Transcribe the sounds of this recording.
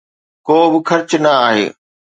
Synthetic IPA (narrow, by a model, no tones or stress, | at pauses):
koːbɪxɐɾt͡ɕnɐaːɦḛː